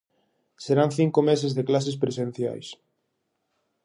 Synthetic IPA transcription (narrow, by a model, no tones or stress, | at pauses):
seɾaŋθiŋkomes̬ezðeklas̬es̬pɾesẽn̟θja̰js